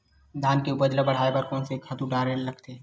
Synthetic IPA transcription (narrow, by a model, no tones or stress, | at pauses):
d̪ʱaːnkeʊbɐd͡ʒlabɐɽ̤aːepɐɾkɔːnsekʰɐt̪uɖaːɾẽnlɐɡt̪eː